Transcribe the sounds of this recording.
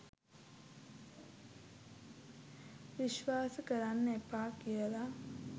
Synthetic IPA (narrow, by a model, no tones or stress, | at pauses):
ʋiʃʋaːsəkəɾanːəepaːkijəla